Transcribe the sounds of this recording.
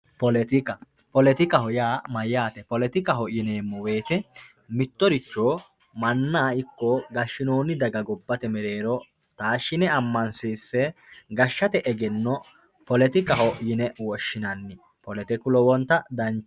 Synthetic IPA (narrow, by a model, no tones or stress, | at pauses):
pɔlɛt̪ɪkɐ | pɔlɛt̪ɪkɐɦɔjaːmɐjːaːt̪ɛpɔlɛt̪ɪkɐɦɔʔjɪneːmːɔwe̞ːt̪ɛ | mɪt̪ːɔɾɪt͡ʃːoː | mɐnːaːɪkːɔɡɐʃːɪno̞ːnɪd̪ɐɡɐɡɔbːɐt̪ɛmɛɾe̞ːɾɔ | t̪aːʃːɪnɛɐmːɐnsiːsːɛ | ɡɐʃːɐt̪ɛʔɛɡɛnːɔ | pɔlɛt̪ɪkɐɦɔʔjɪnɛwɔʃːɪnɐnːɪ | pɔlɛt̪ɛkʊlɔwɔnt̪ːɐd̪ɐnt͡ʃ